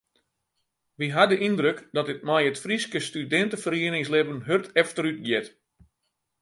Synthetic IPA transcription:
ʋiɦadəʔindrøkdɔtɪt̚mɛjətfriskəstydɛntəfəriənɪŋslɪbənɦørtʰɛftəɾyt̚ɡjɪt

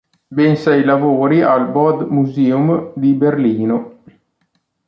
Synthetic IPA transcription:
bensɛjlavoːɾialbɔd̪muzeːumd̪iberliːno

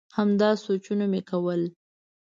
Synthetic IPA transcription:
hamd̪ɑsot͡ʃunamekawəl

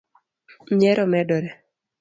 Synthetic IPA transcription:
ɲɛɾɔmɛdɔɾɛ

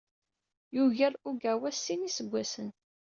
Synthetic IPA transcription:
juʝæɾuɡæwæsːinisəɡʷːæsən

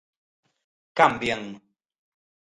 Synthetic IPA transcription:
kam̩bjɛŋnu

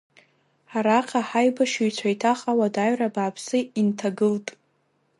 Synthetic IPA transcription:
aɾaqʲʰʼaħajbaʃuɥt͡sʷʰajtʰaχʼawadaɥrabaːpʰsɨintʰaɡɨltʼ

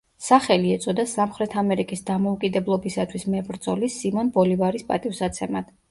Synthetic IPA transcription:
saχɛliɛt̪sʼɔd̪asamχɾɛt̪ʰamɛɾikʼisd̪amɔukʼid̪ɛblˠɔbisat̪ʰwismɛbɾt̪zʼɔlisimɔnbɔlivaɾispʼa̰t̪ʼifsat̪sʰɛmad̪̥

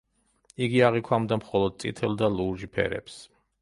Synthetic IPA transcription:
iɡiaʁikʰwamd̪amχɔlɔd̪̚sʼḭt̪ʰɛlˠd̪aluʒipʰɛ̰ɾɛ̰ps

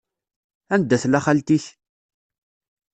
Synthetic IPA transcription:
ænd̪ːæθlæχalt̪iç

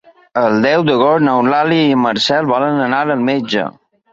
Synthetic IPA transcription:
əld̪ɛwd̪əɣɔɾnawlaliːməɾsɛlˠbɔlənənaɾəlmed͡ʒə̰

